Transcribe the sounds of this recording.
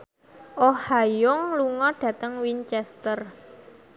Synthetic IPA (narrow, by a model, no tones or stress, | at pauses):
ʔohajʊŋluŋɔɖ̥a̤t̪əŋwint͡ʃɛst̪ər